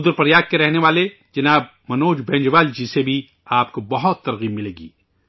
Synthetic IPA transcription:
ʊd̪ɾpɐɾjaːk̪̚keɾɛɦneʋaːle | d͡ʒɐnaːb̚ | mɐnoːd͡ʒbɛ̃ːɲd͡ʒʋaːld͡ʒisebʱi | aːp̚kobɐɦʊt̪ːɐɾɣiːmːɪleːɡḭː

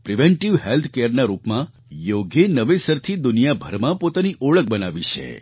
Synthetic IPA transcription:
pɾiʋeɳʈiʋɦelt̪ʰkeəɾnaɾupmã | joɡenəʋesəɾt̪ʰid̪ʊnijabʱəɾmãpot̪aniʔoɭək̚bənaʋit͡ʃʰḛ

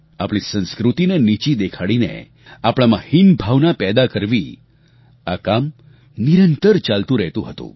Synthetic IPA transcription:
apɭisə̃nskɾut̪inenit͡ɕid̪ekʰaɭinḛ | apɭ̃amãhinbʱaʋnapɛd̪akəɾʋi | akam | niɾənt̪əɾt͡ɕalt̪ũɾəɦt̪ũɦət̪ṵ̃

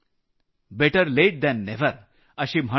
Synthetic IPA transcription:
beʈəɾleʈ̚d̪ɛ̃nːeʋəɾ | ɐʃim̤ʱɐ

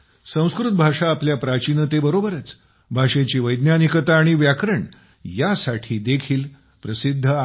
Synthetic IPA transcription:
sə̃w̃skɾut̪̚bʱaʂaːpljapɾat͡ɕinət̪ebəɾobəɾət͡s | bʱaʂet͡ɕiːʋəjd̪njanikət̪aːɽ̃iʋjakɾəɳ | jasaʈʰiːd̪ekʰiːl | pɾəsid̪ʱːə

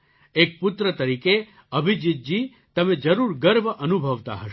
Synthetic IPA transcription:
ek̚pʊt̪ɾət̪əɾike | əbʱid͡ʒit̪̚d͡ʒi | t̪əmed͡ʒəɾuɾɡəɾʋəʔənubʱəʋt̪a̰ɦəʃ

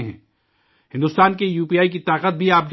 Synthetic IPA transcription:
ɦɛ̰̃ː | hɪ̃nd̪ʊst̪aːnkejuːpiːaːik̬it̪aːqət̪̚bʱiaːp̚d͡ʒ

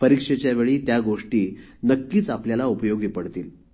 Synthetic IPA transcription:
pəɾikʂet͡ɕjaʋeɭiːt̪jaɡoʂʈiː | nəkːiːt͡sapljalaupəjoɡipəɽt̪iːl

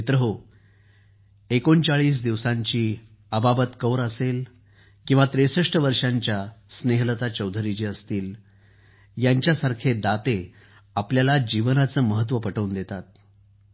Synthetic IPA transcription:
t̪ɾəɦo | ekont͡saɭiːs̬d̪iʋsãɲt͡ɕiː | əbabət̪kəwɾəsel | kĩw̃ʋat̪ɾesəʂʈəʋəɾʂaɲt͡ɕjasneɦlət̪at͡ɕəwd̪ʱɾit͡ɕiːəst̪iːl | jaɲt͡ɕjasaɾkʰed̪at̪e | apljalad͡ʑiʋənat͡səːməɦət̪̬ːʋəpəʈəund̪et̪at̪̚

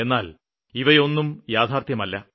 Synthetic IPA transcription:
e̞nːaːl | iʋɐjo̞nːumjaːd̪ʱaːrt̪jɐmɐlːɐ

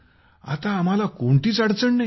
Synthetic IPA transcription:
a̰t̪ãːm̤alakoɳʈ̪iːt͡saɽ̤t͡səɳna

